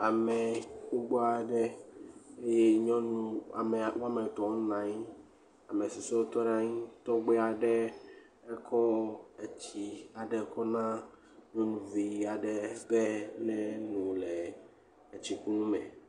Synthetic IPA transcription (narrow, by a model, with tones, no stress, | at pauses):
a˨mɛ̃˨ku˦ɡ͡bo˦a˨ɖɛ˦ | e˦je˦ɲɔ̃˦nũ˦a˨mɛ˨wu˦a˦mɛ̃˨t̪ɔ̃˨˦nã˨ɲi˦ | a˨mẽ˨si˨se˦wo˦t̪ɔ˦nã˦ɲĩ˦t̪ɔ˦ɡ͡bɛ˦a˨ɖɛ˦ | ɛ˦kʰɔ˦e˨t͡ɕi˨a˨ɖɛ˨˦kɔ˦nã˦ | ɲɔ̃˦nũ˦vi˨˦a˨ɖɛ˦bɛ˦nɛ̃˦nũ˨lɛ˨ | t͡ɕi˨ku˦nũ˦mɛ̃˨